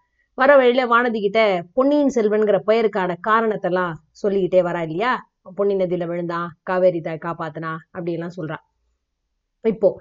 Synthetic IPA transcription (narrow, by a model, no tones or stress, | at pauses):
ʋɐɾɐʋɐɻɪlɐʋaːɳɐðɯk̬ːɪʈːepɔɳːijnɯsɛlʋɐnɡɪɾɐpɐjɐɾkaːnɐkaːɾɐɳɐt̪ːɛlːãː | sɔlːɪkːɪʈːeːʋɐɾaːɪlːɐjaː | pɔɳːɪnɐðɪjlɐʋɛɻɯnd̪ãːkaːʋeːɾɪt̪ːaːjkaːpaːt̪ːɯnãːɐpːɐɽɪjɛlːãːsɔlɾãː | ɪpːoː